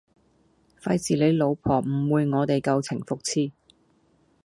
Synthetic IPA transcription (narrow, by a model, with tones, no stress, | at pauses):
fɐ˧jsiː˨˩le˨˧˥jlo˨˧wpʰɔː˨˩m̩˨˩wuː˨˧jŋɔː˨˧t̪e˨jkɐ˧wt͡sʰɪ˨˩ŋfʊ˨k̚t͡sʰiː˥